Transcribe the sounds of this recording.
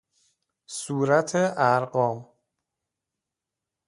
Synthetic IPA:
suːɾæt̪ʰeʔæɾɢɒːm

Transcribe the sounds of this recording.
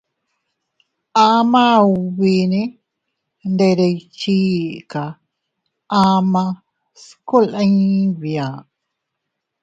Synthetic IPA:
amauβini | nd̪eɾejt͡ʃika | ʔama | skulaɲβia

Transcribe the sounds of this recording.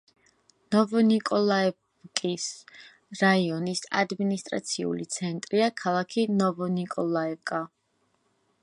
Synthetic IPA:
nɔvɔnikʼɔlˠaɛ | kʼis | ɾaiɔnisa̰d̪minist̪ʼɾa̰t̪sʰiṵlit̪sʰɛnt̪ʼɾiakʰalˠakʰinɔvɔnikʼɔlˠaɛkʼa

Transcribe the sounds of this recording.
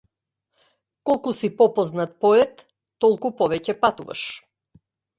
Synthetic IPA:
kɔlˠkusipɔpɔznat̪̚pɔɛt̪ː | ɔlˠkupɔvɛcɛpat̪uva̰ʃ

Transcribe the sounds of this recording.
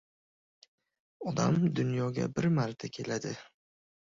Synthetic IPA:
ɒd̪a̰md̪ʊnjɒɡʲa̰bɪɾmaɾt̪ʰakʲʰe̞lad̪ɪ

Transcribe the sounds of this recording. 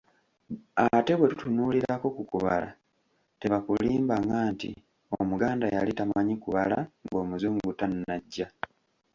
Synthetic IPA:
ate̞βwe̞tutunuːliɾako̞kukuβa̰la̰ | te̞βakuliːmbaŋɡaːntḭ | omuɡaːndajalitamaɲikuβala̰ŋɡo̞ːmuzuːŋɡutannaɟːa

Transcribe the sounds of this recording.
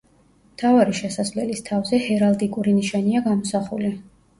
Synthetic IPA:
mt̪ʰavaɾiʃɛsaszvlɛlist̪ʰavzɛhɛɾalˠd̪ikʼuɾiniʃaniaɡamɔsaχuli

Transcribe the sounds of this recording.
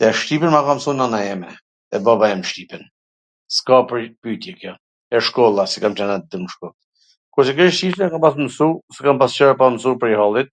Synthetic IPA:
t̪ɛʃt̪ipɛnmakamsunanajɛmɛ | ɛbabajɛməʃt̪ipɛn | skapɾpyt̪jɛkjɔ | ɛʃkɔlˠasɛ̥kamt͡ʃanat̪̚d̪əməʃkɔt̪ | kɔsɛkəʃʃt̪iʃnakampas̬məsusɛkampast͡ʃɛɾapaməs̬upəɾihalˠit̪̚

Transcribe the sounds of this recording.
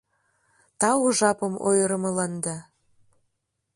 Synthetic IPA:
t̪ɑuʒɑpɤmo̰jɤɾə̆mɤlɑnd̪ɑ

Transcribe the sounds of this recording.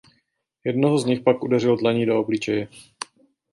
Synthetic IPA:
jɛdnoɦozɲɪxpakʔudɛrɪlodlaɲiːdooblit͡ʃɛjɛ

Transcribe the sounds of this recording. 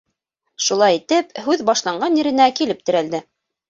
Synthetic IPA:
ʃulˠɑjit̪ɘphʉðbɑʃlˠɑɴɢɑnjĭɾɘ̆nækilɘp̚t̪ɘ̆ɾæld̪ɘ

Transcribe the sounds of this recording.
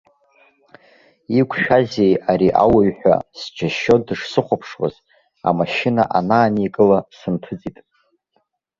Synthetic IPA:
ikʷʰʃᶣaze̞jaɾiʔawaɥħʷᶣa̰sd͡ʒaʃːo̞dɨʂsɨχʷapʰʂwa̰z | a̰maʃɪnaʔanaːnikʼɨlasɨntʰɨd͡zitʼ

